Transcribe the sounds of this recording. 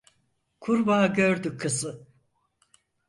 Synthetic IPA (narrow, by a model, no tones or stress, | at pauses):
kʰuɾbaːɟøɾd̪ykʰːɯzɯ